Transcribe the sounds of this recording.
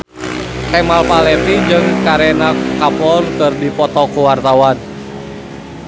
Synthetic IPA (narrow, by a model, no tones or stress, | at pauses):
kɛmalpalɛt̪id͡ʒɨŋkaɾɛnakapɔrkɨrdipɔt̪ɔkuwart̪awan